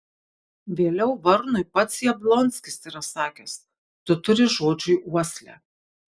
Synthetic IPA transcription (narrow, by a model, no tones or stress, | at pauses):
ʋʲeːlʲɛʊʋɐɾnʊɪpɐt̪sjɛblˠɔnʲsʲkʲɪsiɾɐsɑːkʲɛs | t̪ʊt̪ʊɾʲɪʒoːd͡ʒʲʊjʔuɔsʲlʲɛ̰ː